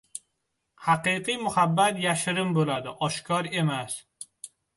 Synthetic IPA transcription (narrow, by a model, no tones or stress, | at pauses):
haqɨqʰɨjmʊhabːat̪jaʃɪɾɪmbolad̪ɪʔɒʃkʰɒɾe̞mas